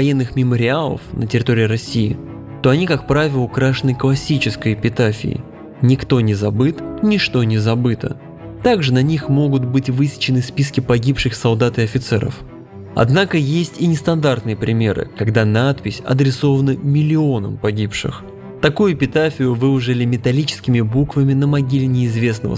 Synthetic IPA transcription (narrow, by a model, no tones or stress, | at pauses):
vɐjenːɨxmʲɪməɾʲɪalˠə̰fnʔətʲɪɾʲɪt̪o̞ɾʲɪɪɾɐsʲiɪ̰ | t̪o̞ɐnʲikak̚pɾavʲɪlˠəkɾaʂɨnɨklˠɐsʲit͡ɕɪskəjɪpʲɪt̪afʲɪ̰ɪ̰ | nʲɪkt̪o̞nʲɪzɐbɨt̪nʲɪʂt̪o̞nʲɪzɐbɨt̪ə̰ | t̪aɡʐɨnɐnʲixmo̞ɡʊt̪bɨtʲvɨsʲɪ̥t͡ɕɪnɨspʲiskʲɪpɐɡʲipʂɨxsɐlˠd̪at̪ɪɐfʲɪt̪sɛɾə̰f | ɐ̰d̪nakəjesʲtʲɪnʲɪst̪ɐnd̪art̪nɨjəpɾʲɪmʲe̞̰ɾɨ̰kɐɡd̪anat̪̚pʲɪsʲɐ̰d̪ɾʲɪso̞vənəmʲɪlʲɪo̞nəmpɐɡʲipʂɨ̰x | t̪ɐkujʊpʲɪt̪afʲɪjʊvɨʊʐɨlʲɪmʲɪt̪ɐlʲit͡ɕɪ̥skʲɪmʲɪbukvəmʲɪnəmɐɡʲilʲɪnʲɪːzvʲe̞snəvə̰